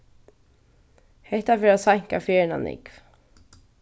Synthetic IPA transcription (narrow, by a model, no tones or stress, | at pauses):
hɛht̪afɪːɾasajŋ̥kafɛːɹna̰nɪ̰kv